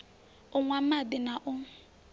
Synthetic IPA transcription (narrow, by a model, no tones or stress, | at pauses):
ʊŋʷaadɪnaʔʊ